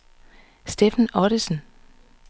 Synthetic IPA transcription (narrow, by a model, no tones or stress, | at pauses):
sd̥efænɒɾ̥isn̩